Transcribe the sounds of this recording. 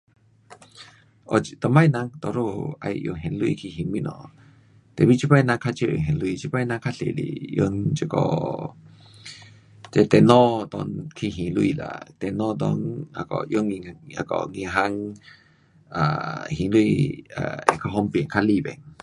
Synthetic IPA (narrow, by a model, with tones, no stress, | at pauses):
ʔɔ˧˨˧t̪ə˨ma˧jna˧ŋt̪ɔ˧˨ɾo˧˨a̰˧jʔjo̰˧˨ŋɦɛ˧˨nlu˧ḭ˧˨kʰi˧ɦĩ˧˨ŋmi˦ʔnɔ˨ | t̪ɛ˨bi˦˨t͡ʃi˦pa˧jnã˧kʰa˦˧t͡ʃə˧˨o̰˨ɦɛ̃˨nlu˧˦i˧˨t͡ʃi˧pa˧˦jna˧kʰa˦˧ɬḛ˨lḭ˨jo̰˧nt͡ʃə˧˨kɔ̰˧˨ | tɛ˧t̪ɛ˧˨nɔ˦t̪ɔ˧nkʰi˧˨ɦĩ˨lu˧i˧˨la̰˨t̪ɛ˧˨nɔ˦˧d̪ɔ˧˦ŋa̰˧˨kɔ̰˨jo˧˦ni˧a˧kɔ̰˧˨ŋi˧ɦa˧˦ŋ | a̰˨hĩ˨lu˦i˧a̰˧˨ɛ˨kʰa˧ɦɔ˧˦mpnkʰa˦li˧˨bɛ̰˨ŋ